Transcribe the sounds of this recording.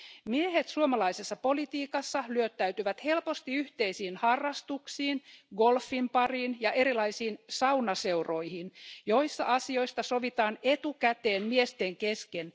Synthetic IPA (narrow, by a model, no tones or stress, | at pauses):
miehet̪suomɑlɑisesːɑpo̞lit̪iːkɑsːɑlyøt̪ːæyt̪yʋæt̪helpo̞st̪iyht̪e̞isiːnhɑrːɑst̪uksiːnɡo̞lfːimpɑriːnjɑʔeɾilɑisiːnsɑwnɑseuro̞ihinjo̞isːɑ̰ʔɑsio̞ist̪ɑso̞ʋit̪ɑːnet̪ukæt̪e̞ːnmiest̪eŋke̞sken